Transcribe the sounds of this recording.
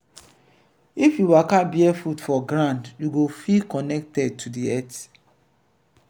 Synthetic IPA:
ifjuwakabiɛfutfɔɡɾãndjuɡofikɔnɛk̚tɛd̚tʰudiɛt

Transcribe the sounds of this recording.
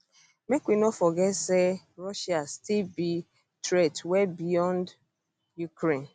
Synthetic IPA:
mekwinɔfɔɡɛtse | ɹɔʃastilbi | tɾetwɛbijɔ̃nd | jukɾẽn

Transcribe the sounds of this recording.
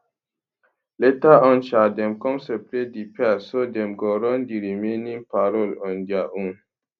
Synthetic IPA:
letaʔɔ̃nʃadɛmkɔmsepɾedipɛsodɛmɡɔɾɔndiɾimenĩmpaɾɔlɔndjaʔũn

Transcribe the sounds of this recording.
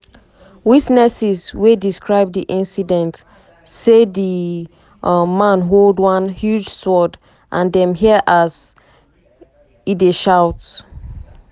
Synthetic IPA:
witnɛsizwediskɹaɪb̚diʔĩnsidɛ̃nt | sedi | mãnɦoldwʌ̃nhjud͡ʒsɔd | ʔãndɛ̃mɦiəʔaz̥ | ideʃaʊt

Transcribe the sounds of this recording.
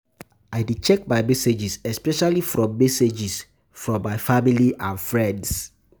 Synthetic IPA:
aɪdit͡ʃɛk̚maɪmɛsed͡ʒisɛspɛʃalifɹɔ̃mːɛsed͡ʒis | fɹɔ̃ːajfamiliʔãnfɹɛ̃nds

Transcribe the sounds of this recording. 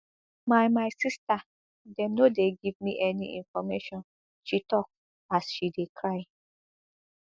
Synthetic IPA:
mamaɪsista | dɛ̃mnodeɡivmiʔɛnḭʔḭ̃nfɔmeʃɔ̃n | ʃitɔk̚ | asʃidekʰɹaɪ

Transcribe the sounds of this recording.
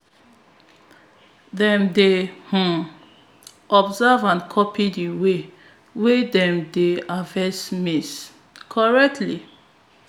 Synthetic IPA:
dɛ̃mdehũ | ʔɔbzavãnkʰɔpʰidiwe | wedɛ̃mdeavɛsmis | kʰɔɹɛk̚tʰli

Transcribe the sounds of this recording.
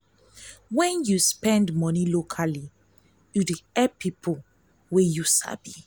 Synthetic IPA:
wɛ̃njuspɛ̃ndmɔnilokʰali | judeɛpʰipʰɔ | wɛjusa̰bi

